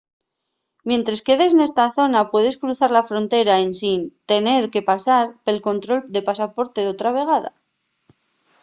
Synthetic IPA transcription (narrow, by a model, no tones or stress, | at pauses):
mje̞nt̪ɾaske̞ðe̞sene̞st̪aθo̞napwe̞ðe̞skɾuθaɾlafɾo̞nt̪e̞ɾaensint̪e̞ne̞ɾke̞pasaɾpe̞lko̞nt̪ɾo̞ld̪e̞pasapo̞ɾt̪e̞ðot̪ɾaβ̞e̞ɣ̞aða̰